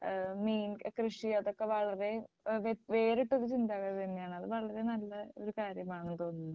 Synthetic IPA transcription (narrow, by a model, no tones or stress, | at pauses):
miːnkrɨʂiɐðo̞kːe̞ʋɐɭɐɾe̞ | ʋʋe̞ːɾiʈːoɾut͡ɕind̪aːɣɐðenːijaːɳɨɐðɨʋɐɭɐɾe̞nɐlːɐo̞ɾukaːɾjɐmaːɳɨt̪o̞ːnːunːɐðɨ